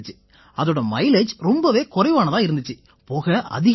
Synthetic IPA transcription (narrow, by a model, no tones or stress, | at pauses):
t͡ʃːɯ̥ | ɐðoːɽɐmɐɪled͡ʒɾɔmbɐʋeːkʊrɐɪʋaːnɐðãːɪɾɯnd̪ɯt͡ʃːɯ | poːɣɐʔɐ̰ðɪɣ